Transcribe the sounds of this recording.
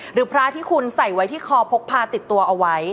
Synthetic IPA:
ɾɯː˩˦pʰɾaː˦˥t̪ʰiː˥˩kʰu˧nsa˨˩jwa˦˥jt̪ʰiː˥˩kʰɔː˧pʰo˦˥k̚pʰːaː˧t̪i˨˩t̪ːu˧ɐʔa˧wa˦˥j

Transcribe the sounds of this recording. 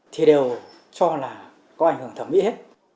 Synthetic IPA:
t̪ʰi˨˩ɗe˨˩w | t͡ɕɔ˧laː˨˩ | kɔ˨˦ʔa˧˩jŋ̟hɨ˧˩əŋt̪ʰə˧˩mḭ˧˥he˦˥t̚

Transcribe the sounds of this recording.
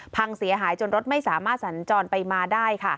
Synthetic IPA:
pʰa˧ŋsi˨˩˦ɐɦaː˩˦jt͡ɕo˧nɾo˦˥t̪̚ma˥˩jsaː˩˦maː˥˩t̪̚sa˩˦nt͡ɕɔː˧npa˧jmaː˧daː˥˩jkʰa˥˩

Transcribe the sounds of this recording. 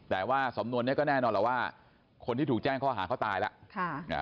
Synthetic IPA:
t̪ɛː˨˩waː˥˩sa˩˦mnu˧ənːi˦˥ɐkɔ˥˩nɛː˥˩nɔː˧lɛ˨˩waː˥˩ | kʰo˧nt̪ʰiː˥˩t̪ʰuː˨˩k̚t͡ɕɛː˥˩ŋkʰɔː˥˩ɦa̰ː˩˦kʰɔ˥˩t̪aː˧jla̰˦˥ʔkʰa˥˩ŋ̰˦˧˩

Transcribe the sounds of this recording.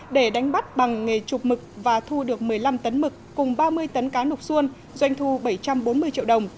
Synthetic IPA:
ɗe˧˩ɗa˨˦jŋ̟ɓa˦˥t̚ɓa˨˩ŋːe˨˩t͡ɕʊ˨˩k͡p̚mɨ˨˩k̚vaː˨˩t̪ʰu˧ɗɨ˨˩ək̚mɨ˨˩əjla˧mt̪ə˨˦nmɨ˨˩kːʊ˨˩ŋ͡mɓaː˧mɨ˧əjt̪ə˨˦nkaː˨˦nʊ˨˩k͡p̚su˧ən | zwa˧jŋ̟t̪ʰu˧ɓə˧˩jt͡ɕa˧mɓo˨˦nmɨ˧əjt͡ɕḭ˧əwɗə˨˩wŋ͡m

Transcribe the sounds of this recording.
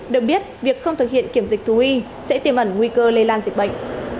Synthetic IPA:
ɗɨ˨˩ək̚ɓi˦˥ət̚vi˨˩ək̚xə˧wŋ͡mt̪ɨ˨˩k̚hḭ˧˨ənki˧˩əmzi̟˨˩t̪ʰu˨˦hi˧ | sɛ̰˧˥t̪i˨˩əmʔə˧˩nŋwi˧kəː˧le˧laː˧nzï˨˩k̟̚ɓə̰˧˨jŋʔ̟

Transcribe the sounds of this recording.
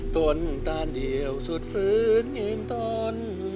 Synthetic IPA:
t̪u˧ənt̪aː˧˩ndi˨˩əwsu˨˩t̪̚fɯː˨˧˦nɲɯ˧nt̪ɔː˧˩n

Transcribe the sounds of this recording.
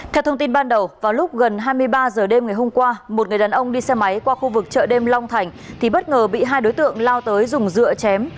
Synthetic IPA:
k̪ʰɛ˧wt̪ʰə˧wŋ͡mt̪i˧nɓaː˧nɗə˨˩wvaː˨˩wlʊ˦˥k͡p̚ɣə˨˩nɦaː˧jmɨ˧əjɓaː˧zəː˨˩ɗe˧mŋa˨˩jɦo˧mkwaː˧mo˨˩t̚ŋɨ˨˩ə˩jɗaː˨˦nʔə˧wŋ͡mɗi˧sɛ˧ma˨˦jkwaː˧xu˧vɨ˨˩k̚t͡ɕə̰ː˧˨ɗe˧mla˧wŋ͡mt̪ʰa˨˩jŋ̟t̪ʰi˨˩ɓə˦˥t̚ŋəː˨˩ɓḭ˧˨ɦaː˧jɗo˨˦jt̪ɨ̰˧˨əŋlaː˧wt̪əː˨˦jzʊ˨˩ŋ͡mzɨ̰˧˨ət͡ɕɛ˨˦m

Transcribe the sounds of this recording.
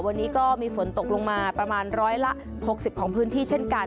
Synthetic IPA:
wa˧nːiː˦˥kɔː˥˩miː˧fo˩˦nt̪o˨˩k̚lo˧ŋmaː˧pɾa˧maː˧nɾɔː˦˥jla˦˥ʔ | ho˨˩k̚si˨˩p̚kʰɔː˩˦ŋpʰɯː˦˥nt̪ʰiː˥˩t͡ɕʰe˥˩nka˧

